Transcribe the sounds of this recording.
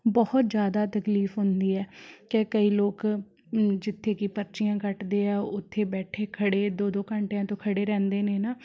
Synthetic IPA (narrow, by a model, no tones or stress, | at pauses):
bɔːʊt̪d͡ʒjaːd̪aːt̪əkliːfɦʊnd̪iːɛːkekəiːloːk | d͡ʒɪt̪ʰːeːkɪpəɾt͡ʃɪjãːkəʈd̪eːɛːʊt̪ʰːeːbɛːʈʰeːkʰəɽeːd̪oːd̪oːkəɳʈeãːt̪õːkʰəɽeːɾɛ̃ːnd̪eːneːnaː